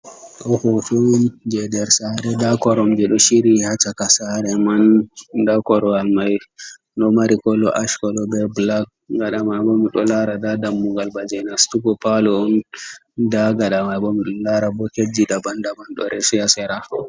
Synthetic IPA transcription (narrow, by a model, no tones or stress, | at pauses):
ɗɔhɔfɛnd͡ʒɛdɛɾsaɾɛdakɔɾɔmd͡ʒɛɗɔʃiɾihat͡ʃakasaɾɛmandakɔɾɔalmaj | ɗɔmaɾikɔlːɔ̰ʔaʃkɔlɔbɛblak̚ː | ɡaɗamajbɔmiɗɔlaɾadadamːuɡalbad͡ʒɛnastuɡɔpalɔɔn | daɡaɗamabɔmiɗɔlaɾabɔked͡ʒidabandabanɗɔ̰ɾʔɛsijasɛɾa